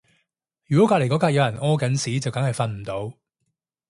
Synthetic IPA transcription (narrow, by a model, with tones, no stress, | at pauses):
jy˨kɔ˨˥kaː˧˥le˨˩kɔː˨˥kaː˧k̚jɐ˨˧wjɐ˨˩nʔɔː˥kɐ˨˥nsiː˨˥t͡sɐ˨wkɐ˨˥ŋhɐ˨jfɐ˧nm̩˨˩t̪o˨˧w